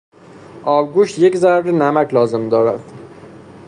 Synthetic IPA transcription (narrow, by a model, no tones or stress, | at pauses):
ɒːɾɡuːʃt̪je̞czæɾɾenæmækʰlɒːze̞md̪ɒːɾæd̪̥